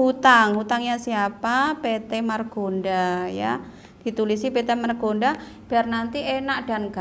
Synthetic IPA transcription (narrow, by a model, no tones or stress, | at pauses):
hut̪aŋɦut̪aŋjasiapapet̪ɛmarɡ̥ondaja̰ | d̥i̤t̪ulisipet̪ɛmarɡ̥ondab̥ɛrnant̪ienaʔd̥anɡ̥a